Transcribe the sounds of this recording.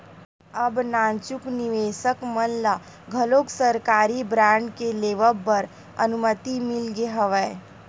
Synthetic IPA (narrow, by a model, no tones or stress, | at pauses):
ɐbnãːnt͡ʃʊknɪʋeːsəkmənla | ɡʱɐloːksəɾkaːɾibɾãːɳɖkeleːʋəlbəɾ | ɐ̰nʊmət̪imɪlɡeɦəʋə